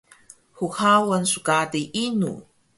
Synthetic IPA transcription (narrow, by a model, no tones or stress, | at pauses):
xuxawənsukadiʔinṵ